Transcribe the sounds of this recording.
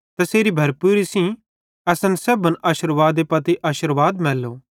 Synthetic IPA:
t̪ɐseːɾibʱɐɾpuːɾisĩ | ɛːsɐnsɐbənaːʃəɾʋaːd̪epɐt̪iʔaːʃəɾʋaːd̪mɛːlːo

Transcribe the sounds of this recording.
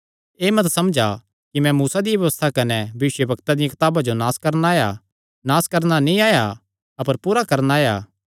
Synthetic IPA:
eːmɐt̪sɐmd͡ʒa | kimɛ̃muːsad̪ɪjabʋjɐʋəst̪ʰakɐnɛbɐʋɪʃjəbʱɐkt̪ad̪ɪjãkɪ̥t̪aːbad͡ʒonaːskɐɾnaːja̰ | naːskɐɾnanĩaːja | ɐpəɾpuːɾakɐɾnaːja̰ː

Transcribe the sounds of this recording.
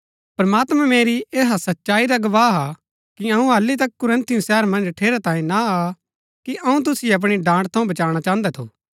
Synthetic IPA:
pɾɐmaːt̪mãmeːɾieːɦasɐtːʃaːiɾaɡɐʋaːɦa | kiɐũaːlːit̪̬ɐkːʊɾə̃nt̪iũsɛːɾmɐ̃nd͡ʒʈʰeːɾat̪ãːĩnaa | kiʔɐũt̪̬ʊsiɐp̬ɽ̃iɖãːɳɽt̪ʰɐũbɐt͡ʃaːɽ̃at͡ʃãːnd̪ɛt̪ʰo̰ː

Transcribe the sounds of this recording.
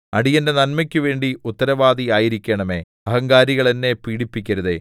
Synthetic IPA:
ɐɽijɐnde̞nɐnmɐkʲːuʋe̞ːɳɖiut̪ːɐɾɐʋaːðiaːjiɾikʲːeɳɐme̞̰ː | ɐɦɐŋɡaːɾiɣɐɭenːe̞piːɽipːikʲːɐɾɐðe

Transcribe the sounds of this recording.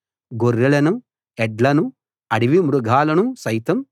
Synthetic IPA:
ɡorːiɭɐnu | ɛɖlɐnu | ɐɽiʋimɾuɡʱaːlɐnusɐjt̪ɐm

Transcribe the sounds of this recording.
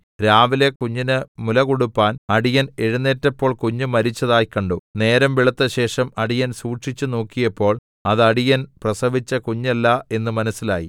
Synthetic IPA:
ɾaːʋile̞kuɲːinɨmulɐɣuɽupːaːnɐɽijɐneɻunːeːtːɐpːo̞ːɭkuɲːumɐɾit͡ɕːɐðaːjkːɐɳɖune̞ːɾɐmʋiɭɐt̪ːɐɕe̞ːʂɐmɐɽijɐnsuːʈʂit͡ɕːuno̞ːkːijɐpːo̞ːɭ | ɐðɐɽijɐnprɐsɐʋit͡ɕːɐkuɲːɐlːɐe̞nːɨmɐnɐsːilaːji

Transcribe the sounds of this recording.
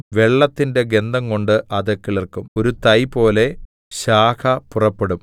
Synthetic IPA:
ʋe̞ɭːɐt̪ːinde̞ɡe̞nd̪ʱɐŋko̞ɳɖɨʔɐðɐkːiɭɐrkumo̞ɾut̪ɐjpo̞ːle̞ | ɕaːkʰɐpurɐpːeɽum

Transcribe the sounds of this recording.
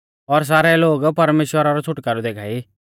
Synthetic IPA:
ɔɾs̬aːɾɛloːɡpɐɾmeːʃwəɾaɾɔt͡sʰʊʈkaɾud̪eːkʰaːi

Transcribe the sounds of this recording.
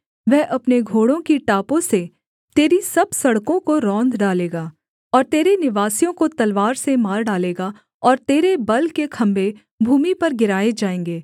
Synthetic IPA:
ʋɛɦʔɐpneɡʱoːɽõkiʈaːpõse | t̪eːɾisɐbsɐɽkõkoɾɔ̃ːnd̪ɖaːleːɡaː | ɔːɾt̪eːɾenɪʋaːsijõkot̪ɐlʋaːɾsemaːɾɖaːleːɡa | ɔːɾt̪eːɾebɐlkekʰɐ̃mbe | bʱuːmipɐɾɡɪɾaːed͡ʒaːẽːŋɡeː

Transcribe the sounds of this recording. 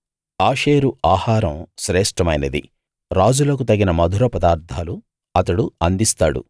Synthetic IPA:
aːʃeːɾuaːhaːɾɐmʃɾɛːʂʈɐmɐjnɐd̪ḭ | ɾaːd͡ʒulɐk̬ut̪ɐɡinɐmɐd̪ʱuɾɐpɐd̪aːɾt̪aːlu | ɐt̪ɐɽuɐnd̪ist̪a̰ːɽṵ

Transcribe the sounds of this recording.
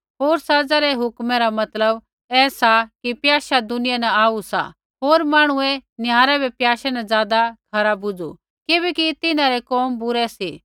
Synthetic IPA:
ɦoːɾsɐd͡zaɾɛɦʊkmɛɾamɐt̪ləb | ɛːsakipjaːʃad̪ʊnɪjanɛaːusa̰ | ɦoːɾmaːɽ̃ʊenɪjaːɾɛbʱɛpjaːʃɛnɛd͡zjaːd̪akʰɐɾabʊd͡zṵ | kɪbɛkit̪ɪnãɾɛkɔːmbʊɾɛsiː

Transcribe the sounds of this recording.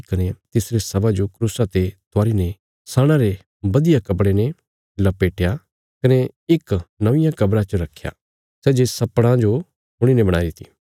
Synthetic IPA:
kɐnet̪ɪsɾesɐbad͡ʒokɾuːsat̪et̪ʊaːɾine | saːɽ̃ãɾe | bɐd̪ɪjakɐpɽene | lɐpeːʈʰja | kɐne | ɪknɐʋɪ̃jãkɐbɾãt͡ʃɐɾɐkʰːja̰ | sɛːd͡ʒesɐpɽ̃ãd͡ʒo | ɦʊɽ̃inebɐɽ̃aːid̪ɪt̪i̥ː

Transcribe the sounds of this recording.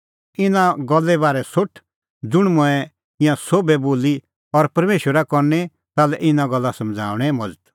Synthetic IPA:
ɪnãɡɔlːɛbaːɾɛsʊʈʰ | d͡zʊɽ̃mʊ̃ɛ̃ | ɪ̃jãsoːbɛboːli | ɔɾpɐɾmeːʃwəɾakɔɾnɛ | t̪aːlɛʔɪnãɡɔlːasɐmd͡zʱa̰ːʋɽ̃ɛmɔd͡zət̪

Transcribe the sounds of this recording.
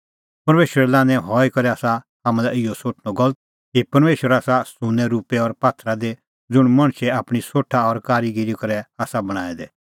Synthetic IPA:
pɐɾmeːʃəɾɛlãːnɛ̃ɦɔːikɐɾɛaːsa | ɦamɛ̃laɪjɔsoːʈʰñɔɡɔlət̪̚ | kipɐɾmeːʃwəɾaːsasʊnɛɾuːpɛɔɾpaːt̪ʰɾad̪e | d͡zʊɽ̃mɐ̃ɽ̃ʃɛaːpɽ̃isoːʈʰaɔɾkaːɾiɡɪɾikɐɾɛaːsabɐɽ̃aːɛd̪ɛ

